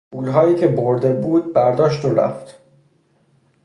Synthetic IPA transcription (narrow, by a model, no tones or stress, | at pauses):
uːlɦɒːjiːcʰe̞boɾd̪e̞buːd̪̚bæɾd̪ɒːʃt̪oɾæ̰ft̪